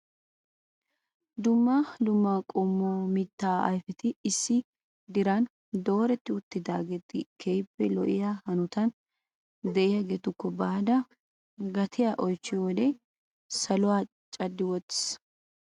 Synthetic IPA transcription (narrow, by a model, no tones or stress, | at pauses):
d̪ʊmːalʊmːaːkʼɔmːomɪt̪ːaːɐ̰jfɛt̪ɪːsːɪ | d̪ɪɾan | d̪o̞ːɾɛt̪ːɪʊt̪ːɪd̪aːɡet̪ːɪkʰejpːɛlɔʔɪjahɐnʊt̪ɐn | d̪ɛʔɪjɐɡeːt̪ʊkːɔbaːd̪ɐ | ɡɐt̪ʰɪjaʔɔjt͡ʃːɪɔd̪ɛ | sɐlʊwaː | t͡ʃʼɐd̪ːɪwɔt̪ːɪ̥s